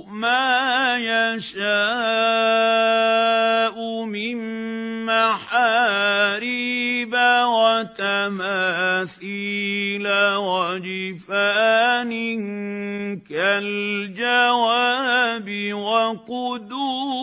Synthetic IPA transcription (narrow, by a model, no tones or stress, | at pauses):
maːjaʃaː | ʔʊmɪmː | aħaːɾɪbawat̪amaːθiːlawad͡ʒɪfaːnɪŋ | kald͡ʒawabɪwaqʊd̪uː